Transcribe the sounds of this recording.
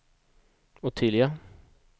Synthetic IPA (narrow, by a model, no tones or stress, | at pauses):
ɔt̪ʰiːd̪lɪɡə